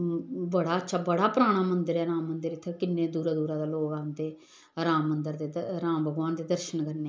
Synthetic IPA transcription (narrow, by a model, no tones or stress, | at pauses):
bəɽaːətːʃʰaːbəɽaːpɾaːɽ̃aːmənd̪əɾɛːɾãːmːənd̪əɾɪt̪ʰːkɪnːeːd̪uːɾaːd̪uːɾãːd̪aːloːɡãːnt̪eː | ɾãːmːənd̪əɾd̪eːɾãːmbʱəɡʋaːnd̪eːd̪əɾʃənkəɾneː